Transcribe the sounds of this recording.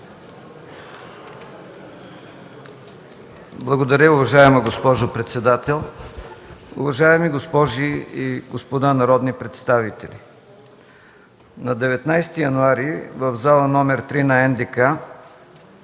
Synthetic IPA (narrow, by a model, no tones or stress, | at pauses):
blˠɐɡod̪ɐɾʲəʊvɐʒaɛmɐɡospɔʒopɾɛt̪sɛd̪at̪ɛlˠ | ʊ̰vɐʒaɛmiɡospɔʒiiɡospod̪anɐɾɔd̪nipɾɛt̪st̪avit̪ɛlʲḭ | nɐd̪ɛvɛt̪najst̪ijɐnuaɾivəvzalˠɐnɔmɛɾt̪ɾinɐɛnd̪ɛka